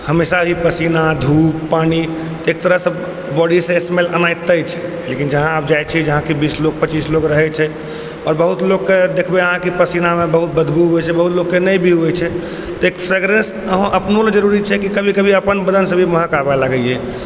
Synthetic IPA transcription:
həmesabʱipəsinad̪ʱuːpːani | t̪ɔeːk̚t̪əɾəɦsəb | bɔɖisẽesemelənajt̪əjt͡ʃʰɛ | lekind͡ʒəɦãap̚d͡ʒajt͡ʃʰid͡ʒəɦãkibiːsloɡ̚pətt͡ʃiːsloɡɾəɦɛt͡ʃʰɛ | ɔːɾbəɦut̪loɡked̪ekʰbeəɦãkipəsinamẽbəɦut̪̚bəd̪ʱɡuɦuɛt͡ʃʰɛbəɦut̪loɡkːenəjbʱiɦuɛt͡ʃʰɛ | t̪ɔekpʰɾeɡɾẽns | əɦõʔəpnoled͡ʒəɾuɾit͡ʃʰɛkikəbʱikəbʱiəpənbəd̪ənsəbʱiməɦəkabalaɡəie

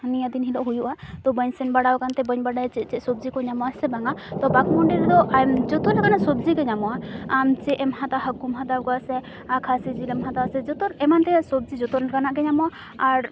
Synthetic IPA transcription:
nijad̪inɦilɔʔɦujuʔat̪ɔbəɲsɛnbaɽawkant̪ɛbəɲbaɽajt͡ʃɛt͡ʃɛʔsɔb̚d͡ʒikɔɲamɔasɛbaŋat̪ɔbakmɔɳɖiɾɛd̪ɔʔamd͡ʒɔt̪ɔnakanasɔbd͡ʒikɔɲamɔwaamt͡ʃɛɛmhat̪aɦakːumɦat̪awkɔasɛ | akʰasid͡ʒilɛmɦat̪awsɛd͡ʒɔt̪ɔɾɛmant̪ɛsɔb̚d͡ʒid͡ʒɔt̪ɔnkanaʔkɛɲamɔa | aɾ

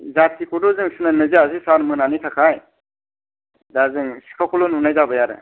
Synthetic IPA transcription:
zatʰikʰɔdɔzɯŋsɯnanɯziasisanmɯnanitʰakʰaj | dazɯŋsi̥kʰakʰɔlɔnunajzabɯjaɾɯ̰

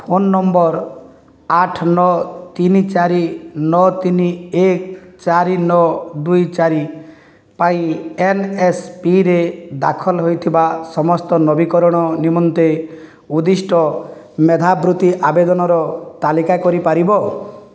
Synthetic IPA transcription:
pʰonːɔmbɔɾ | aʈʰnɔt̪init͡ʃaɾinɔt̪iniekt͡ʃaɾinɔd̪ujt͡ʃaɾi | paĩenespiɾed̪a̰kʰɔlɦojt̪ʰibasɔmɔst̪ɔnɔbikɔɾɔɽ̃ɔnimɔnt̪e | ud̪isʈɔ | med̪ʱabɾut̪iʔabed̪ɔnɔɾɔt̪alikakɔɾipaɾibɔ

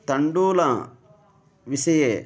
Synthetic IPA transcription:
t̪ɐɳɖuːlɐ | ʋisɐje

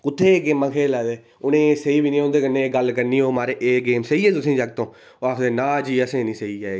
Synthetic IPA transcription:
kʊt̪ʰːeːeːɡeːmːãːkʰeːlaːd̪eː | ʊnẽːsəiːbiːnĩːõːnd̪eːkəneːɡəlkəɾniːoːmaːɾeːʔeːɡeːmseiːɛːt̪ʊsĩːd͡ʒaːɡ̚t̪õː | oakd̪eːnaːd͡ʒiːəsẽːnĩːsəiːaːe

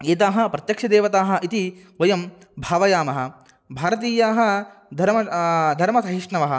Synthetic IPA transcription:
eːt̪aːɦɐ̆pɾɐt̪jɐkʂɐd̪eːʋɐt̪aːɦɐ̆ʔit̪i | ʋɐjɐm | bʱaːʋɐjaːmɐɦɐ̆ | bʱaːɾɐt̪̬iːjaːɦɐ̆d̪ʱɐɾmɐd̪ʱɐɾmɐsɐɦiʂɳɐʋɐɦɐ̆

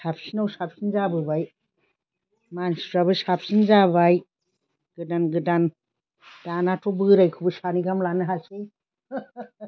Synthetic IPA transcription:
sapsinawsap̚sinzabɯbaj | mansi̥pʰɾabɯsap̚sinzabaj | ɡ̥ɯdanɡɯdan | d̥anatʰɔbɯɾajkʰubɯsaniɡamlanɯɦase

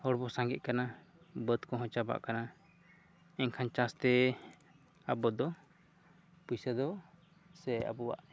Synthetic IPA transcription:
hɔɽbɔsãŋɡɛt̪̚kana | bəd̪kɔɦɔ̃t͡ʃaba̰ʔkana | ɛɲkʰant͡ʃast̪ɛ | abɔd̪ɔ | pujsad̪ɔ | sɛa̰bɔwa̰ʔ

